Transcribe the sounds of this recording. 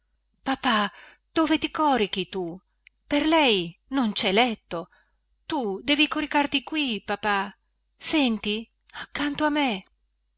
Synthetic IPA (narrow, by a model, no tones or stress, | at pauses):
papa | d̪̥oːvet̪ikɔɾik̟it̪u | perlɛjnont͡ʃɛlɛt̪ːo | t̪ud̪ɛːvikoɾikart̪ikwipapa | sɛnt̪i | akːant̪oamːe